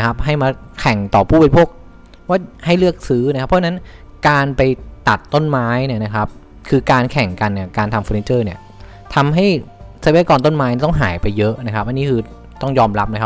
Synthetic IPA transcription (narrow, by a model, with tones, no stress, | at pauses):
kʰa˦˥p̚ɦa˥˩jmaː˧ | kʰɛ˨˩ŋt̪ɔː˨˩pʰuː˥˩bəː˧pʰoː˥˩k̚ | waː˥˩ha˥˩jlɯ˥˩ək̚sɯː˦˥na˧˥kʰa˦˥pʰːɔ˥a˧na˦˥n | kaː˧npa˧jt̪a˨˩t̪ːo˥˩nmaː˦˥jni˥˩ɐna˦˥kʰa˦˥p̚ | kʰɯː˧kaː˧nkʰɛ˨˩ŋka˧nːi˥˩ɐkaː˧nt̪ʰa˧mfɔː˧ni˧˥nt͡ɕɤː˥˩ni˥˩ɐ | t̪ʰa˧mɦa˥˩jsa˧˩˧kɔː˧nt̪o˥˩nmaː˦˥jni˧˩t̪ɔ˥˩ŋɦaː˩˦jpa˧jːɤ˦˥ʔna˦˥kʰa˦p̚ʔa˧nːiː˦˥kʰɯː˧ | t̪ɔ˥˩ŋjɔː˧mɾa˦˥p̚nː˧˦˥kʰa˦